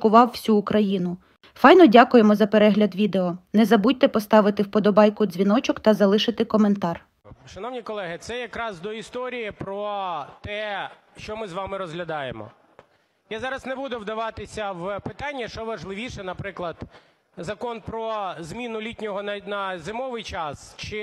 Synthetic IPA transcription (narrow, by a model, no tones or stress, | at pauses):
kʊʋɑwːsʲuːkɾɐjinʊ | fɑjnɔdʲɑkʊjemɔzɐpeɾɛɦlʲɐd̪ʋʲid̪eɔnɛzɐbutʲt̪ɛpɔst̪ɑʋɪt̪ɪwpɔd̪ɔbɑjkʊd̪zʲʋʲinɔt͡ʃɔkt̪ɐzɐlˠɪʃɪt̪ɪkɔment̪ɑr | ʃɐnɔʋnʲikɔlˠɛɦɪt̪sɛjɐkɾɑzd̪ɔist̪ɔɾʲijipɾɔt̪ɛ | ʃt͡ʃɔmɪzʋɑmɪɾɔzɦlʲɐd̪ɑjemɔ̰ | jazɑɾɐznebud̪ʊʋd̪ɐʋɑt̪ɪsʲɐʋpɪt̪ɑnʲːɐʃt͡ʃɔʋɐʒlˠɪʋʲiʃɛnɐpɾɪklˠɐd̪ | zɐkɔnpɾɔzmʲinʊlʲitʲnʲɔɦɔnɐzɪmɔʋɪjt͡ʃɑst͡ʃɪ